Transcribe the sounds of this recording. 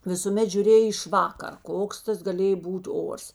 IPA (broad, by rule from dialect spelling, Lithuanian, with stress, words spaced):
ʋʲɪsʊˈmʲɛt ʒʲʊˈrʲeːj ɪʃ ˈʋɑːkɐr ˈkoːks tɐs ɡɐˈlʲeːj ˈbuːtʲ ˈoːrs